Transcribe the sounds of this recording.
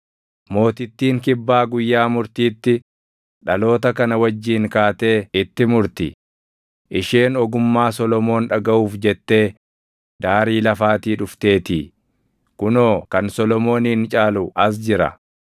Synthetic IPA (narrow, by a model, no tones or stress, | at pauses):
mo̞ːt̪ɪt̪ːiːŋkɪbːaːɡʊjːaːmʊɾt̪iːt̪ːɪ | ᶑɐlo̞ːt̪ɐkɐnɐwɐd͡ʒːiːŋkaːt̪e̞ːɪt̪ːɪmʊɾt̪ɪ̰ | ʔɪʃeːnɔɡʊmːaːsɔlɔmo̞ːnᶑɐɡɐʔuːfd͡ʒɛt̪ːe̞ː | d̪aːɾiːlɐfaːt̪iːᶑʊft̪e̞ːt̪iː | kʊno̞ːkɐnsɔlɔmo̞ːniːnt͡ʃʼaːlʊʔɐs̬d͡ʒɪɾɐ̰